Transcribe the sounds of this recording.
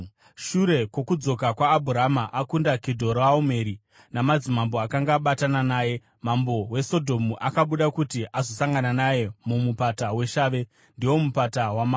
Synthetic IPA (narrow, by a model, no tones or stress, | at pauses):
ʃuɾe̞kwo̞kud͡zo̞kakwaːbʱuramaʔakundakedʱo̞ɾaome̞ɾi | namad͡zimambo̞akaŋɡaɓatananaːje̞ | mambo̞we̞so̞dʱo̞muʔakaɓuɗakutiʔazo̞saŋɡananaje̞mumupatawe̞ʃaːʋe̞ | ndiwo̞mupatawama